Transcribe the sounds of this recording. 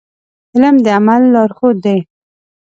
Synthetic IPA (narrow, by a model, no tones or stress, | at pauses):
ɪləmd̪əamalːɑɾxod̪ːaj